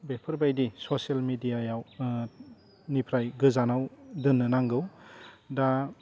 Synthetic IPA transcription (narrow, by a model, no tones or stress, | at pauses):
bepʰɐɾbajdisosalmidijajaw | nipʰɾajɡɯzanawdɯnːɯnaŋɡɯwda